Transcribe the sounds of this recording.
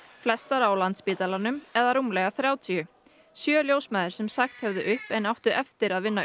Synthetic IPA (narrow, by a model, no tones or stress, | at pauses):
flɛst̪aɾaawlant̪spiːt̪alanːʏmɛðaɾumlɛɣaθɾjaːwt̪ʰiʏ | sjœːljowsmɛːðɪɾ̥sɛmsaxt̪hɛvðʏʔʏhpɛnawht̪ʏʔɛft̪ɪɾaðvɪnːa